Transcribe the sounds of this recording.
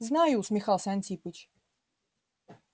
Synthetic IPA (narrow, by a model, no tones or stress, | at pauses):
znajʊsmʲɪxalˠsʲanʲt̪ʲipɨt͡ɕ